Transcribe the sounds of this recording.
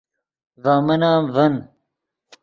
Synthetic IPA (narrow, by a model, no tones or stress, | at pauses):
vaːmɐnaːmvɐn